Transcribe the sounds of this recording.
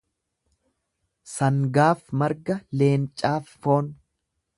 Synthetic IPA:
sɐŋɡaːfmɐɾɡɐle̞ːnt͡ʃʼaːfːo̞ːn

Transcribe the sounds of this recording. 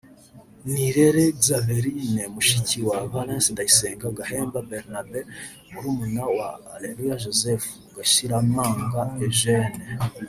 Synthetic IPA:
niɾeɾezaveɾinemuʃiciwaβalẽnsindajiseːŋɡab̚ɡaheːmbabeɾnabe | uɾuːmunawaːlelujaʒozefu̥ɡaʃiɾamaːŋɡaeʒene

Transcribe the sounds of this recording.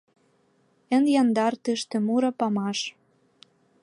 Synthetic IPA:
ə̆njɑnd̪ɑrt̪øʃt̪ĕmuɾɤ̆pɑmɑʃ

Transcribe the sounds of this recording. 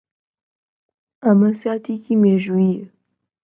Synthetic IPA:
aməsjat̪ikimeʒuie

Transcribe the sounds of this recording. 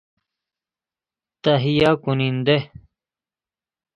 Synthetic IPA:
t̪ɐɦijaːkunind̪e

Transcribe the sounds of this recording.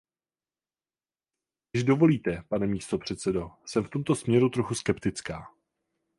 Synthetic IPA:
ɪʒdo̞vo̞liːt̪ɛpanɛmiːst̪o̞pr̝̥ɛt̪t͡sɛdo̞sɛmft̪o̞mt̪o̞smɲɛɾut̪ɾo̞xuskɛpt̪ɪt͡skaː

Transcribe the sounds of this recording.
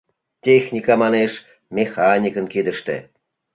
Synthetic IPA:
tʲexnʲikɑmɑneʃ | mʲexɑnʲikə̆nked̪ə̆ʃt̪ḛ

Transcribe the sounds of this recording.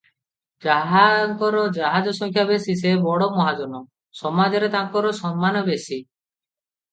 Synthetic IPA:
d͡ʒaɦaŋkɔɾɔd͡ʒaɦad͡ʒɔsɔŋkʰjabesis̬ebɔɽɔmɔɦad͡ʒɔnɔ | sɔmad͡ʒɔɾet̪aŋkɔɾɔsɔmːanɔbesi

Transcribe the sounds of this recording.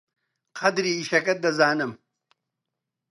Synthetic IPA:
qʰɐd̪ɾiːʃɐkɐt̪̚d̪ɐzaːnɨm

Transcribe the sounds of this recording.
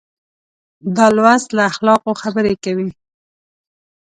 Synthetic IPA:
d̪ɑlwast̪laaxlɑqoxabəɾekawi

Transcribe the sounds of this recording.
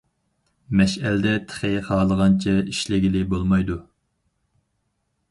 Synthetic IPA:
mɛʃælɪd̪ɛt̪ʰɪ̥χɪχɑːlˠəʁɑnt͡ʃʰɛiʃlɪɡʲilɪbolˠmɑjd̪u

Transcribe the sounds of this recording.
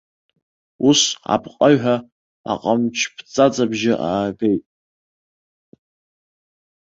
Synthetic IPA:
usa̰pʰqʼaɥħʷᶣa | a̰qʼamt͡ʃʰpʰt͡sʼat͡sʼabʒɪʔaːbe̞jtʼ

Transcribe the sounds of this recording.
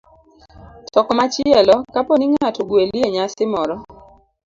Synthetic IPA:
tɔkɔmat͡ʃɪɛlɔkapɔniŋatoɡwelieɲasɪmɔɾɔ

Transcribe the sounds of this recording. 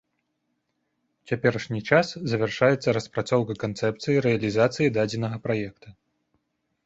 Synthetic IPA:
t͡sʲapʲɛɾɐʂnʲit͡ʂaszɐvʲɛrʂajɛt̪sːɐɾɐspɾat̪sɔwkɐkant̪sɛpt̪sɨjiɾɛɐlʲizat̪sɨjid̪ad͡zʲɛnɐɣɐpɾajɛkt̪ɐ

